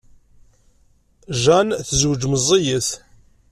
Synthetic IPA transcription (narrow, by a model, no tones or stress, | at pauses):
ʒænθəzwd͡ʒməzˤːijəθ